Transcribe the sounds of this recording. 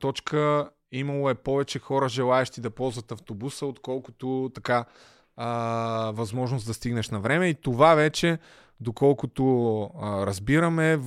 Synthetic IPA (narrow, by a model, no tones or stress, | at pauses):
t̪ɔt͡ʃkʰə | imɐlˠoɛpɔvɛt͡ʃɛxɔɾəʒɛlˠaɛʃt̪id̪ɐpɔzvɐt̪ɐft̪obusəot̪kɔlˠko̥t̪ot̪ɐka | vɐzmɔʒnosd̪ɐst̪iɡnɐʃnɐvɾɛmɛit̪ovavɛt͡ʃɛ | d̪okɔlˠkʊt̪o | ɾɐzbiɾɐmɛ